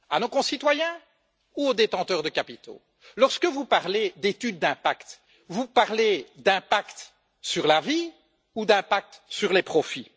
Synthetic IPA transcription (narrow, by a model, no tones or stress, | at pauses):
a̰nokɔ̃sit̪wajɛ̃ | uod̪et̪ɑ̃t̪œʁd̪əkapit̪o̰ | lɔʁskəvupaʁled̪et̪yd̪̚ːɛ̃pakt̪ | vupaʁled̪ɛ̃pakt̪ | syʁlavi | ud̪ɛ̃pak̚t̪syʁlepχɔfi